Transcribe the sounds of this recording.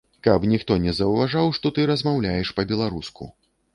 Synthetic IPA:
kɐpnʲixt̪ɔnʲɛzɐwvaʐawʂt̪ɔt̪ɨɾɐzmawlʲajɛʂpɐbʲɛlˠaɾuskṵ

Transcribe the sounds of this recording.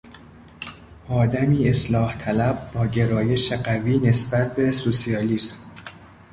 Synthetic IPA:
ʔɒːd̪æmiːe̞slɒːht̪ʰælæb̚ːɒːɟe̞ɾɒːje̞ʃe̞ɢæviːne̞sbæt̪̚ʰbesosiɒːliːs

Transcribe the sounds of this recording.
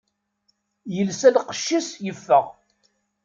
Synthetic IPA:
jəlsælqə̥ʃːisjəfːəʁ

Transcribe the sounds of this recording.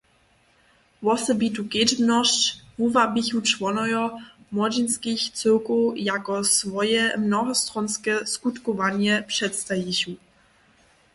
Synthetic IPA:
vɔsɛbit̪ukɛd͡ʒmnɔʃt͡ɕvuvabiçut͡ʂvɔnɔjɔ | mɔd͡ʑinskʲixsɨwkujakɔsvɔjɛmnɔɦɔst̪ɾɔnskɛskut̪kɔvaɲɛpʂɛt̪st̪ajiɕu

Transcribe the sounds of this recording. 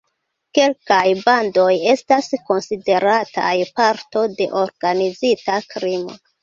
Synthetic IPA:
ke̞lkajbando̞je̞stasko̞nside̞ɾatʰa̰jpaɾto̞de̞ʔo̞ɾɡ̥anizitakɾimo̰

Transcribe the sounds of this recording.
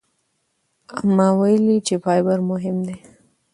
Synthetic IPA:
amːɑwajlit͡ʃefɑjbaɾmʊɦɪmd̪e

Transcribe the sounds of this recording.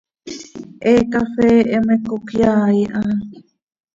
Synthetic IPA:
ʔekafeʔemekokjaːiʔa

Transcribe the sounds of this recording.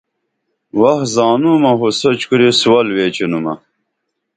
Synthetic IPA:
wɐhzaːnuːmɐɦosɐt͡ɕkuɾisuwɐlweːt͡ɕinumɐ̰

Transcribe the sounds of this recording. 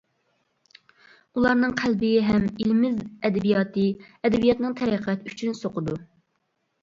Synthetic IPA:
ulˠɑɾnɨŋqʰælbɪɦɛmelmɪzɛd̪ɛbijɑːt̪ɨɛd̪ɛbijɑt̪nɨŋt̪ʰɛɾɛqʰæt̪yt͡ʃʰynsoqʰʊd̪u

